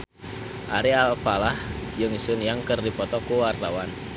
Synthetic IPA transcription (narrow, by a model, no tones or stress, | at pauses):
ʔaɾialpalahjəŋisʊnjaŋkərdipɔt̪ɔkuwart̪awan